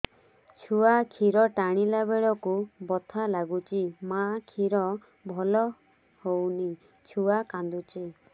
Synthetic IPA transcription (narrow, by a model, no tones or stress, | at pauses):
t͡ʃʰuakʰiɾɔʈaɽ̃ilabeɭɔkubɔt̪ʰalaɡut͡ʃʰimakʰiɾɔ | bʱɔlɔ | howni | t͡ʃʰuakand̪ut͡ʃʰi